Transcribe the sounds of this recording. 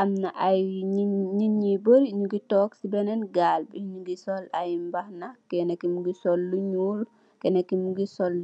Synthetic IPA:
ʔamnaʔajiɲinɲibəɾɲuɡitɔːksibɛnɛnɡaːlbɛɲuɡisɔlajimbahnakɛnɛkimuɡisɔlːuɲuːl | kɛnɛkːimuɡisɔlː

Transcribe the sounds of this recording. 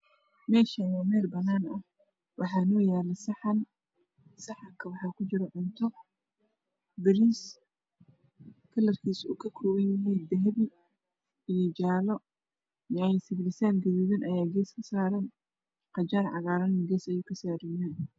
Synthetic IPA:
mɛːʃɐwɔːmɛːlbɐnaːnɐh | wɑħɑːnɔːjɛːlɛsħn | sɑħɑkʰɐwɑħɑːkʰʊt͡ʃɪɾɔʕʊnt̪ʰɔ | bɪɾiːs | kʰɐlːɐrkʰiːsṵːkʰɐkʰɔːwɐnjɐɦɛjd̪ɐɦβɪ | ijɔd͡ʒaːlɔ | mɪɛjsɪβlɪsaːnɡɐðuːβɪnʔɐjaːɡɛːskʰɐsaːɾɐn | qɑt͡ʃaːrʕɑɣaːɾɐnɡɛːsɐjuːkʰɐsaːɾɪjaːn

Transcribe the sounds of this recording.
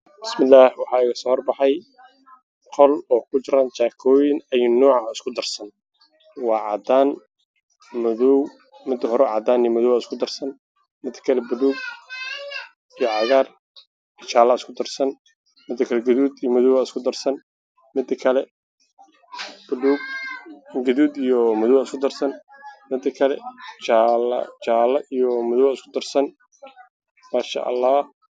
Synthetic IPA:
bɪsmɪlːaːħwɑħɑːɪɣɐsɔːhɔrbɑħɑj | qʰɔlɔːkʰʊt͡ʃɪɾaːnt͡ʃaːkʰɔːjɪnɐjʊnːɔːʕɑɪskʰʊd̪ɐrsɐn | wɑːʕɑ̰d̪aːn | mʊðɔw | mɪd̪ɐɦɔɾɛʕɑd̪aːnijmɐðɔwaskʰʊd̪ɐrsɐn | mɪd̪ɐ̥kʰɐlɛbʊluːɡ̚ | ijɔʕɑɣaːr | ijt͡ʃʰaːlɐɪskʰʊd̪ɐrsɐn | mɪd̪ɐkʰɐlɛɡɐðuːd̪ijɔmʊðɔwaɪskʰʊd̪ɐrsɐn | mɪd̪ɐkʰɐlɛ | b̥ʊluːɡ | ɡɐðuːd̪ijɔmʊðʊwaɪskʰʊd̪ɐrsɐnmɪd̪ɐkʰɐlɛ̰t͡ʃaɐ̰t͡ʃaːlɐʔijɔmʊðɔwaɪskʰʊd̪ɐrsɐn | maːʃa̰ːʔɐ̰lːaː

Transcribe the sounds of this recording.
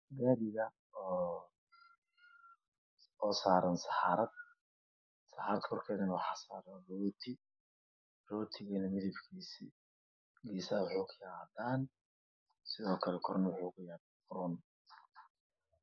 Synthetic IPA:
ɡaːɾɪɣɐ | ɔː | ɔːsaːɾɐnsɑħɑːɾɐd̪̚ | sɑħɑːɾɐd̪kʰɔrkʰɛːðɐnwɑħɑːsaːɾɐnrɔːt̪ʰɪ | rɔːt̪ʰɪɣɐnɐmɪðɐbkʰiːsḭː | ɡiːsɐːwɑħuːkʰʊjɛaːd̪aːn | sɪðɔːkʰɐlɛkʰɔɾɔnwɑħuːʊkʊjaːdakʰʊɾɔn

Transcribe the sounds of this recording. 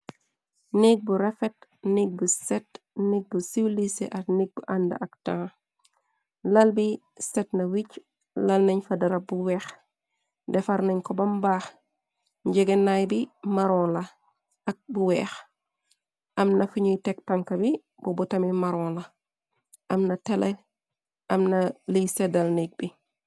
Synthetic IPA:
nik̚buɾɛfɛt̚nik̚busɛt | niɡ̚busiwlisḛʔɐtnik̚buʔandɐ̰ʔɐktãː | lɐlbi | sɛtnɐwic | lɐlnɐɲfɐdɐɾɐbuwɛːx | dɛfaɾnɐɲkɔbɐmbaːx | ɲɟɛɡɐnajbimaɾɔnlɐ | ɐk̚buwɛːx | ʔɐmnɐfuɲujtɛk̚tɐŋkɐbi | bɔbutɐmimaɾɔːnlɐ | ʔɐmnɐtɛlɛ | ʔɐmnɐlisɛdɐlnik̚bi

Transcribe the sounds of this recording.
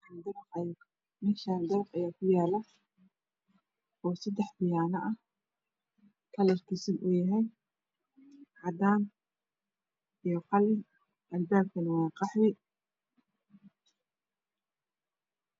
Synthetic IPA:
and̪ɐɾqɐj | mɪnʃaːnd̪ɐɾqɐjaːkʰʊjaːlɐ | ɔːsɐd̪ɛħbɪjaːnɐʔɐ | kʰɐlɐrkʰɪsɪnʔʊjɐɦɛj | ʕɑd̪aːn | ijɞqɑlɪ | ʔɐlbaːb̚kʰɐnwɑːqɑħwɪ

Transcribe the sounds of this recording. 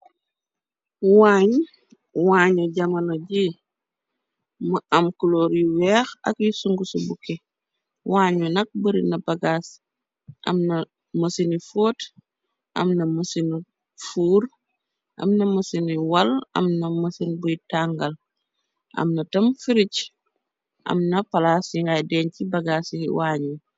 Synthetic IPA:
waːɲ | waːɲɔɟɐmɐnoɟi | maʔɐmkuloːɾjiwɛːxɐ̰kjisuŋɡusubukɛ | waːɲunɐk̚bəɾinɐbɐɡaːs | ʔɐ̰mnɐ | mɐsinifoːt | ʔɐ̰mnɐmusin | fuːɾ | ʔɐ̰mnɐmɐsiniwɐlɐ̰mnɐmɐsinbujtaŋɡɐl | ʔɐ̰mnɐtɐmfiɾic | ʔɐ̰mnɐpɐlaːsiŋɡajdɛːɲcibɐɡaːsiḭwaːɲu

